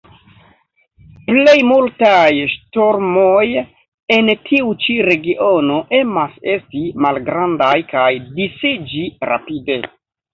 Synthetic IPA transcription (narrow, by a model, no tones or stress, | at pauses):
ple̞jmultajʃto̞ɾmoj | e̞ntʰiut͡ʃiɾe̞ɡiʔo̞no̞ʔe̞mase̞stimalɡɾandajkajdisid͡ʒiɾa̰pide̞